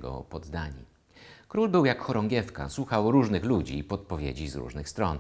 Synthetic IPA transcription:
ɡɔ̰pɔd̪d̪aɲi | kɾulbɘwjakxɔɾɔŋɡʲjɛfka̰swuxawɾuʐnɘxlud͡ʑiːpɔt̪̚pɔvʲjḛd͡ʑizɾṵʐnɘxst̪ɾɔn

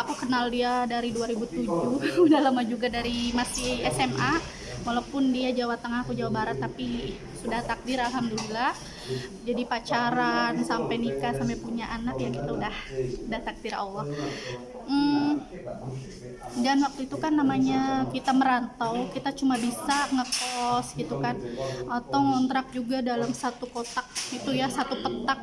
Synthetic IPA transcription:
akukənaldiadaɾiduaɾibut̪ud͡ʒuudalamad͡ʒuɡadaɾimasɪɛsɛmʔa | walawpʊndiad͡ʒawat̪əŋahakud͡ʒawabaɾat̪ːapi | sudaht̪ak̚diɾalɦamdulilah | d͡ʒadipat͡ʃaɾansampajnikasampapuɲaʔanakjaŋkit̪audahudaht̪ak̚dira̰lːɔh | m̩ | danwak̚t̪uit̪ukanːamaɲakit̪aməɾant̪awkit̪at͡ʃumabisaŋəkɔsɡit̪ukanʔat̪awŋɔnt̪ɾak̚d͡ʒuɡadalamsat̪ukot̪ak̚it̪ujasat̪upət̪ak̚

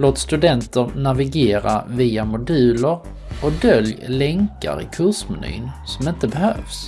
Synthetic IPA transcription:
loːt̪st̪ɵd̪ɛnt̪əɾnavɪɡeːɾa̰viːamʊd̪ʉ̟ːləɾ | ɔd̪œljlɛŋka̰ɾɪ̰kʰɵʂmɛny̰ːnsɔmɪnt̪əbɛhø̰ːfs

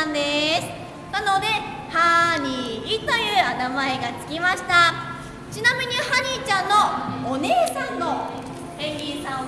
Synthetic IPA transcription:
nd̪esɨ̥ | nano̞d̪e̞ | haɲʲiːt̪o̞jɯ̟ːanamae̞ɡat͡sɨ̥kʲimaɕi̥t̪a | t͡ɕinamʲiɲ̟ihaɲ̟it͡ɕãnːo̞one̞ːsãnːo̞ | ẽŋɡʲisã

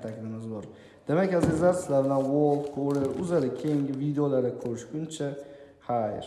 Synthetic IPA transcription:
t̪ʰakʲlɪmɪzbɔɾ | d̪̥emakʲazizaɾsɪlaɾd̪anwolˠfkʰoɾɪɾʊzaɾɪkʲʰejiŋɡʲɪvid̪eolaɾɪkʰoɾɪʃɡʊnt͡ʃʰa | haj̰ɾ

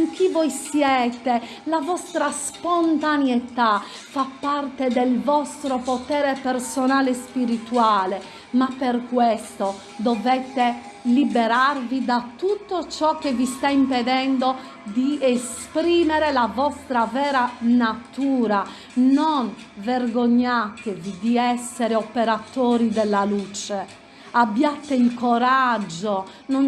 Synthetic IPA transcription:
iŋkivɔjsjɛːt̪e | lavɔst̪ɾaspont̪anjɛt̪a | fapːart̪ed̪elvɔst̪ɾopot̪ɛːɾepɛrsonaːlespiɾit̪uaːle | mapːerkwɛst̪o | d̪ɔvɛt̪ːe | libɛɾarvid̪at̪ut̪ːot͡ʃɔk̟ːevist̪aimpɛðɛnd̪o | d̪iespɾiːmɛɾɛlavɔst̪ɾavɛːɾanat̪uːɾa | non | verɡoɲːat̪evid̪iɛsːɛɾɛɔpeɾat̪oːɾid̪ɛlːalut͡ʃɛ | abːjat̪eilkɔɾad͡ʒːo | non

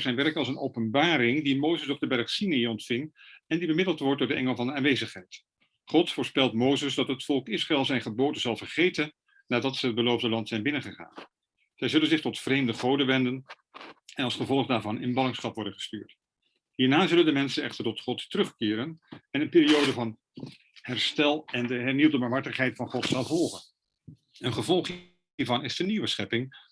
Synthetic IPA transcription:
z̥ɛjnʋɛɹkɑlˠsənowpənbaːɾɪŋdimowzəsɔb̚dəbɛɹχsineiɔntfɪŋɛndibəmɪdəl̩ˠtʋɔɹt̚dʊːɹdəʔɛŋəlˠvɑndəaːnʋejzəχɦɛjt | χɔtfʊːɹspɛlˠtmowzəsdɑtɦətfɔlˠkɪsraɛlˠzɛjnχəboːdənzɑlˠvəɹχejtən | naːdɑtsəɦəd̚bəlowvdəlɑntsɛjnbɪnənχəχa̰ːn | z̥ɛjzɵlənzɪχtɔtfrejmdəχowdəʋɛndən | ɛnɑlˠsχəvɔlˠχdaːɹvɑnɪnbɑnɪŋsχɑpʋɔɹdənχə̥sty̰ːɹt | ɦiːɹnaːzɵləndəmɛnsənɛχtəɹtɔtχɔttərɵχkɪːɾənɛnənpɪːɾiowdəvɑn | hɛɹstɛlˠɛndəɦɛɹniwdəbɑɹmɦɑɹtəχɦɛjtfɑnχɔtsɑlˠvɔlˠχən | ənχəvɔlˠχɦ | iːɹvɑnɪsdəniwəsχɛpɪŋ

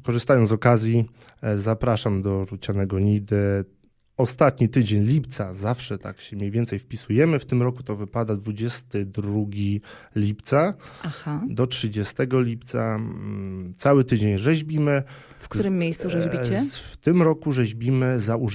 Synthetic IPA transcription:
kɔʐɘst̪ajɔnɔkazʲji | zapɾaʂamd̪ɔɾut͡ɕanɛɡɔɲid̪ɘ | ɔst̪at̪ɲit̪ɘd͡ʑeɲlʲipt̪sazafʂɛt̪a̰kɕɛmʲɲejvʲjɛnt̪sɛjfpʲisujɛmɘft̪ɘmɾɔkut̪ɔvɘpad̪ad̪vud͡ʑɛst̪ɘd̪ɾuɡʲi | lʲipt̪saaxad̪ɔtʂɘd͡ʑɛst̪ɛɡɔlʲip̚t̪sa | t̪sawɘt̪ɘd͡ʑeɲʐɛʑbʲimɘ | fkk̪t̪ɾɘmʲːjejst̪suʐɛʑʲit͡ɕɛft̪ɘmɾɔkuʐɛʑbʲimɘzau

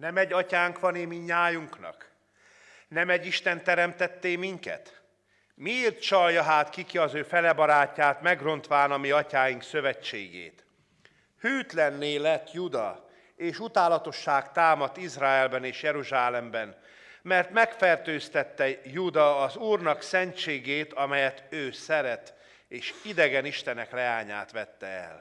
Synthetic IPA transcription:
nɛmɛɟːɒcaːŋkʋɒneːmiɲaːjuŋknɒ̰k | nɛmɛɟːiʃt̪ɛnt̪ɛɾɛmt̪ɛt̪ːeːmiŋkɛ̰t̪ | mieːrt̪t͡ʃɒljɒɦaːt̪kikiɒzøːfɛlɛbɒɾaːcːaːt̪mɛɡro̞nt̪ʋaːnɒmiɒcaːjiŋksø̞vɛt͡ʃːḛːɡḛːt̪ | hyːt̪lɛnːeːlɛt̪jud̪ɒ | eːʃut̪aːlɒt̪o̞ʃːaːkt̪aːmɒt̪ːizraːɛlbɛneːʃjɛɾuʒaːlɛmbɛn | mɛrt̪mɛkfɛrt̪øːst̪ɛt̪ːɛjud̪ɒːzuːrnɒksɛnt͡ʃeːɡeːt̪ʰɒmɛjɛt̪øːsɛɾɛt̪ | eːʃid̪ɛɡɛniʃt̪ɛnɛklɛaːɲa̰ːt̪ʋɛt̪ːɛɛ̰l

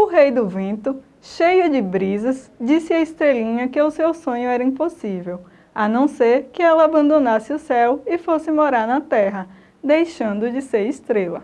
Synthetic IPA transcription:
ʊɦejd̪ʊvẽnt̪ʊ | ʃejʊd͡ʒɪbɾizɐsd͡ʒisɪɐist̪ɾelĩɲɐkɪʊsewsõɲʊɛɾɐĩposivew | ɐnɐ̃w̃seɾkɪɛlɐːbɐ̃nd̪onasɪʊsɛwɪfosɪmoɾaɾnɐt̪ɛɦɐ | d̪ejʃɐ̃nd̪ʊd͡ʒɪseɾist̪ɾelɐ

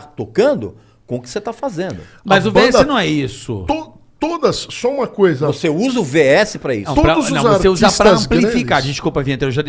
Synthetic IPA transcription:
t̪okɐ̃nd̪ʊ | kõʊkɪ̥set̪afazẽnd̪ʊ | mmɐzʊveɛsɪnɐ̃w̃ɛisʊ̰t̪o | t̪od̪ɐsːɔ̃ũmɐkojzɐvoseuzɐʊveɛsɪpɾɐḭ̃t̪opɾɐd̪ʊznuɐ̃wzavoseuzaɾpɾɐɐ̃mpllifikaɾd͡ʒɪskupɐvĩẽt̪eewʒad̪

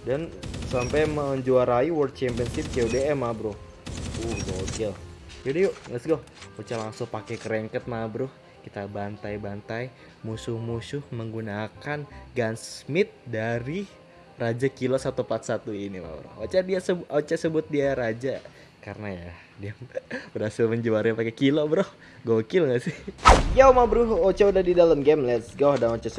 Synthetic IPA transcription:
dansampajməɲd͡ʒuaɾaiwərt̪̚t͡ʃɛmpənsɪp̚t͡ʃeodeɛmːabɾʊh | uhɡot͡ʃɛld͡ʒadijoʔŋəsɡɔh | ot͡ʃalaŋsʊŋpakɛkəɾɛŋkət̪̚mabɾʊh | kit̪abant̪ajbant̪aj | musʊhmusʊhməŋɡunakanɡansmɪt̪̚daɾi | rad͡ʒakilosat̪upat̪̚sat̪uinima̰bɾʊ̰hot͡ʃadiasəʔot͡ʃasəbʊt̪̚diaɾad͡ʒa | karənaja | diabəɾhasɪlməɲd͡ʒuaɾɪpakɛkilobɾɔh | ɡokɪlŋɡasɪhjamabɾʊɦot͡ʃaudahdidaləmɡɛmlɛt̪sɡahdaŋot͡ʃas

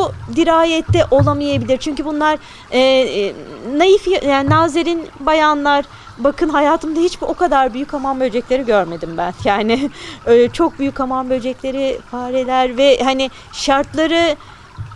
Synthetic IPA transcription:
bud̪iɾaːjɛt̪ːɛʔo̞lˠamajabilʲiɾt͡ʃʰyɲcybunlˠaɾ̥ː | najifjajanaːzeɾinbajanlˠaɾ̥ | bakʰɯnɦajaːt̪ʰɯmd̪ahit͡ʃbio̞kad̪aɾbyjycamambød͡ʒɛclʲe̞ɾiɟøɾme̞d̪imbænjaːnɪɛt͡ʃʰo̞k̚byjycamambø̞d͡ʒɛclʲe̞ɾifaːɾelʲæɾvɛɦanɪ | ʃaɾt̪lˠaɾɯ

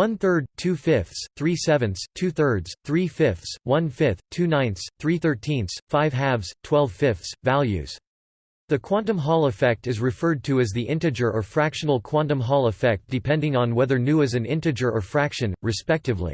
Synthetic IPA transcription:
wʌ̃nθɜ˞d̚tʰʉfɪfθsθɹisɛvɨ̃nstʰʉθɜ˞dz̥θɹifɪfθswʌ̃nfɪθtʰʉnãɪ̃nsθɹiθɜ˞tʰĩnθfaɪv̥ɦævz̥tʰw̥ɛlˠv̥fɪfθsvælˠjʉ̰z̥ | ðɨkʰw̥ɑ̃ntɨ̃mɦɔlˠəfɛk̚tɨzɹɨfɜ˞d̚tʰɨɨzðiʔɪ̃ntɨd͡ʒə˞ʔə˞fɹækʃɨ̃nl̩ˠkʰw̥ɑ̃ntə̃mɦɔlˠəfɛk̚t̚d̥ɨpʰɛ̃ndɪ̃ŋə̃nwɛðə˞nʉɨzɨ̃nɪ̃ntɨd͡ʒə˞ʔə˞fɹækʃɨ̃nɹɨspɛk̚tɨvlḭ

